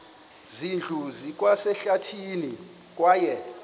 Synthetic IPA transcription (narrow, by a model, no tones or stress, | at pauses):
zind͡ɮʱuzik̬ʼwasɛɬatʰini | k̬ʼwaːjɛ